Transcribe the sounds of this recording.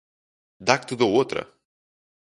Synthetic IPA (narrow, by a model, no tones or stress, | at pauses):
d̪ak̚t̪ɨd̪oot̪ɾə̰